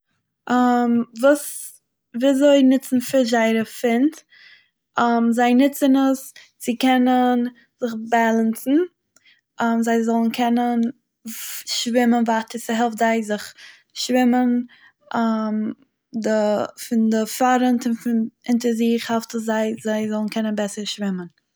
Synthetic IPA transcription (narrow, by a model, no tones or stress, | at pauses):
ʔamvuːs | viːzoɪnɪt͡sn̩fɪɾzaɪɾəfɪnt | amzaɪnɪt͡sənəs | t͡sɪkɛnən | zɪχbalˠənt͡sn̩ | ʔamzaɪzɔlˠn̩kʰɛnən | ʃvɪmənvatəɾsɪɦɛlˠftzaɪzɪχ | ʃvɪmən | am | dɪfɪndɪfaɾəntɪnfɪnɪntəɾziχhɛlˠftəszaɪzaɪzɔlˠn̩kʰɛnənbɛsəɾʃvɪmən